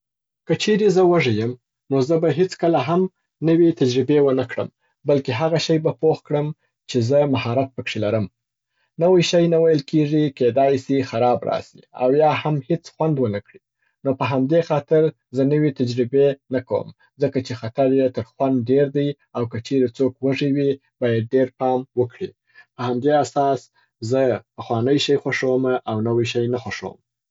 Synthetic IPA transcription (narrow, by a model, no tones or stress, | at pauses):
kət͡ʃeɾezəwaʐəjəm | nozəbaɦet͡skəlaɦam | nəwet̪ad͡ʒɾɪbewənakɽə̰m | balkeɦaɣaʃajbapoxkɽəm | t͡ʃezəmahɑɾat̪̚pəkʂelaɾəm | nəwajʃajnawajəlkeʐiked̪ɑjsixaɾɑbɾɑ̰sḭa̰wjɑhamhet͡sxwand̪wənakɽi | nopəɦamd̪exɑt̪ɪɾ | zənəwet̪ad͡ʒɾɪbenakawə̰m | zəkat͡ʃexat̪aɾjet̪əɾxwand̪̚ɖeɾd̪aj | awkət͡ʃeɾet͡sokwaʐiwi | bɑjad̪̚ɖeɾpɑmwəkɽḭ | pəhamd̪easɑs | zəpəxwɑnəjʃajxwaʂowmaʔawnawijʃajnaxwaʂo̰wə̰m